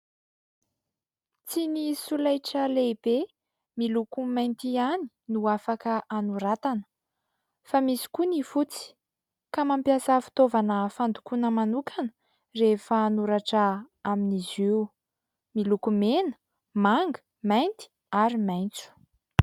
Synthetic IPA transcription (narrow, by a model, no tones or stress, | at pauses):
t͡sinisulajʈ͡ʂəleb̥e | milukumajnt̪iani̥ | nuafakəʔanuɾat̪anə̥ | famisi̥kunifut͡si̥ | kamampiasafi̥t̪ovanəfand̪ukunəmanukanə̥ | refəːnuɾaʈ͡ʂə | aminiziw | milukumenə̥ | maŋɡə̥ | majnt̪i̥ | aɾimajnt͡su̥